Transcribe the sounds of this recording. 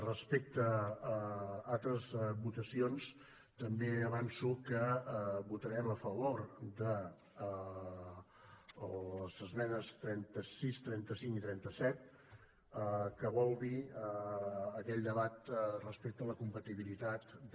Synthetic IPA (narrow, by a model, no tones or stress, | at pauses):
rəspek̚t̪ə | alˠt̪ɾəzβut̪əsions | t̪əmbeəβansukəβut̪əɾɛməfəβoɾd̪ə | ləzəzmɛnəst̪ɾɛnt̪əsist̪ɾɛnt̪əsiŋkit̪ɾɛnt̪əsɛt̪̚ | əkəβɔlˠd̪iəː | kɛʎd̪əβat̪rəspek̚t̪ələkumpət̪iβilit̪at̪